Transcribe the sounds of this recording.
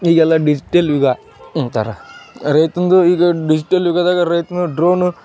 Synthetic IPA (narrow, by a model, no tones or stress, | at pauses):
iːɡɛlːaɖid͡ʒiʈelʋiɡa | t̪a̰ɾaɾɐjt̪und̪uiːɡɐɖid͡ʒiʈelʋiɡad̪aːɡɐɾɐjt̪und̪uɖɾoːn